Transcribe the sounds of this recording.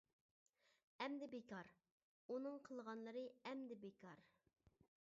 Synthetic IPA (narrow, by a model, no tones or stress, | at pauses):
ɛmd̪ɪbekɑɾ | unɨŋqʰəlˠʁɑnlˠəɾɨɛmd̪ɪbekʰɑɾ